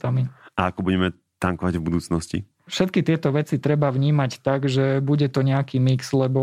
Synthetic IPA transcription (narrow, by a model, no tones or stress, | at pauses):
t̪amiaakɔbuɟɛmɛ | t̪aŋkɔʋaɟvbud̪uːt͡snɔscḭ | fʃɛt̪̚kit̪ɪɛt̪ɔʋɛt͡sit̪ɾɛbaʋɲiːmact̪aɡʒɛbuɟɛt̪ɔɲɛakiːmikslɛbɔ